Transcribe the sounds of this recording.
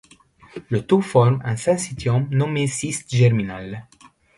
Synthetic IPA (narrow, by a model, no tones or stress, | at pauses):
lət̪ufɔɾmɛ̃sɛ̃sit̪jɔmnomesist̪ʒɛrminal